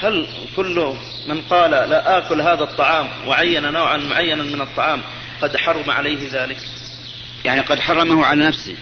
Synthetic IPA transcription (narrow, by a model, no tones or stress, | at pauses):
hal | kʊlːʊ | mɪnqɑːlalaʔaːkʊlɦaːðat̪ˤːɑʕɑːmwaʕajːananoːʕanmʊʕajːanamɪnɨt̪ˤːɑʕɑːm | qɑd̪ħɑɾˤʊmaʕa̰lajɦɪðaːlɪk | jaʕniqɑd̪ħɑrˤːɑmahʊʕalanafsḭ